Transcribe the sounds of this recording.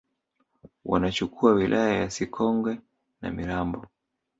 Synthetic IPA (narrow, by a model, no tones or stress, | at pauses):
wa̰nat͡ʃukuawilʔajajasikʰɔŋɡwɛ | na̰miɾambɔ